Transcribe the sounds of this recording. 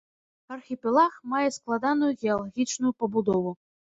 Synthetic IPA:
ɐrxʲipʲɛlˠaxmajɛsklˠad̪anujuɣʲɛalˠaɣʲit͡ʂnujupɐbud̪ɔvu

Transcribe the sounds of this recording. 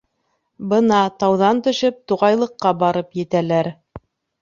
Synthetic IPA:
bɤnɑt̪ɑwðɑnt̪ɵ̆ʃɘp̚t̪uʁɑjlˠɤ̆qːɑbɑɾɤpjɘ̆t̪ælæɾ

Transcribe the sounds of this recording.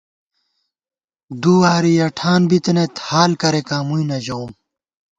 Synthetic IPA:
d̪uaɾijɐʈʰaːnbit̪enet̪haːlkɐɾekaːmujnɐʑɐwm

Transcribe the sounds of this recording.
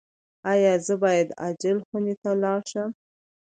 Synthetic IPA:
ɑjɑzəbɑjad̪a̰d͡ʒəlxunet̪alɑɾʃəm

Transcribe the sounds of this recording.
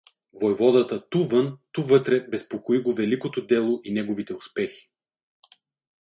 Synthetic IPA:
vojvɔd̪ɐt̪ət̪uvɤnt̪uvɤt̪ɾɛbɛspokoiɡovɛlikot̪od̪ɛlˠoʔinɛɡovit̪ɛʊspɛxi̥

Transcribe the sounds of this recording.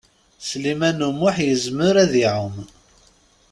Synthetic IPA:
slimænumʊħjəzməɾæðiʕʊm

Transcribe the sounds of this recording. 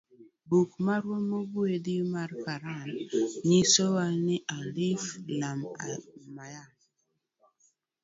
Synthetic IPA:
bukmaɾwomobwedimarkaɾanɲisowanɪʔaliflama̰majan

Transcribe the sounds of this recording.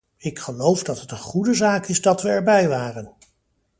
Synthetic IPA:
ɪkχəlowvdɑtɦətənχudəzaːkɪzdɑtʋəɛɹbɛjʋaːrən

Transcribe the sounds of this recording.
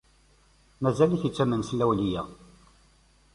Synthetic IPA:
mæzæliçit͡sːæmənslæwlijæ

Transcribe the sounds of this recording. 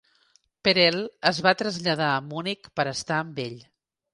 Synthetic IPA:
pəɾɛlˠəzβat̪ɾəzʎəð̞aəmunikpəɾəst̪aəmbeʎ

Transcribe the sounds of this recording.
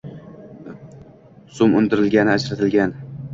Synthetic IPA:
sʊmʊnd̪ɪɾɪlɡʲanɪad͡ʒɾat̪ʰɪlɡʲan

